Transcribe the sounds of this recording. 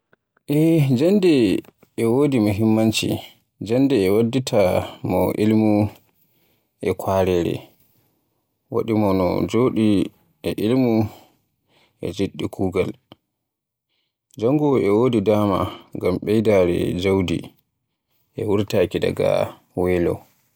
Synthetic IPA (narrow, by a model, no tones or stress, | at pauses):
ʔɛd͡ʒandɛ | ɛwoːdimaɦimːant͡ʃḭ | d͡ʒandɛːwadːitʰamɔ̰ʔilmu | ʔɛkʰaːɾɛɾɛ̰ | wa̰ɗimɔnɔ̰d͡ʒoːɗi | ɛʔilmu | ʔɛ̰d͡ʒeɗːikʰuːɡal | d͡ʒaŋɡɔɛwoːdidaːma̰ŋɡamɓɛjdaɾɛ̰d͡ʒawdḭ | ʔɛwuɾtaːkida̰ɡa̰ | wɛlɔ̰